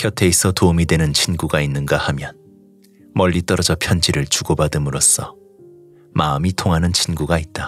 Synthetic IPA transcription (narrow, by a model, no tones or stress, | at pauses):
kjʌtʰe̞isʰʌtoumidwe̞nɯnt͡ɕʰinɡuɡainːɯnɡahamjʌn | mʌʎːit͈ʌɾʌd͡ʑʌpʰjʌnd͡ʑiɾɯɭt͡ɕuɡobadɯmɯɾos͈ʰʌ̰ | maɯmitʰoŋɦanɯnt͡ɕʰinɡuɡait̚t͈a